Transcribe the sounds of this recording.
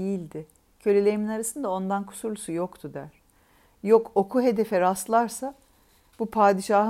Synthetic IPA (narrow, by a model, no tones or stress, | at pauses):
ejilʲd̪ɪ | cʰø̞lʲelʲejiminaɾasɯnd̪ao̞nd̪ankʰu̥suɾlˠusujo̞kt̪ʰud̪æɾ̥ | jo̞ko̞kʰuɦe̞d̪e̞fɛɾaslˠaɾsa | bupʰaːd̪iʃaːɦɯ